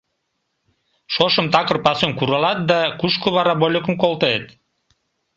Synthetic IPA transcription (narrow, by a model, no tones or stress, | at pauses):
ʃoʃə̆mt̪ɑkə̆rpɑsemkuɾɑlɑt̪̚d̪ɑkuʃkoβɑɾɑbolʲəkəmkolˠt̪əet̪